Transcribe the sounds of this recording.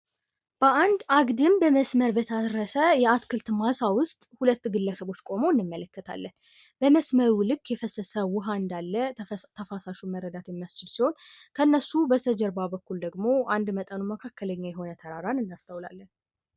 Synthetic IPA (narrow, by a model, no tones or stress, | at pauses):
b̥əʔand̪aɡd̪ɨmbəməsməɾbət̪ʰəɾəsəjɛat̪kʰɨlt̪masawʊst̪ʼhulət̪ːɡɨlːəsəβo̞t͡ʃːkʼo̞mo̞ɨnːɨmːələkːət̪ʰa̰lːən | bəməsməɾulɨkːjɛfəsəsəwʊɦaɨnd̪alːət̪ʰəfasaʃuməɾːəd̪at̪jɛmijast͡ʃːɪlsiho̞nkʰəɨnːəsːubəsʰəd͡ʒɛɾbabəkːuld̪əɡmo̞and̪mət̪ʼənuməkʰakːələɲːajɛɦo̞nət̪ʰəɾaɾanɨnːast̪ʰəwla̰lːən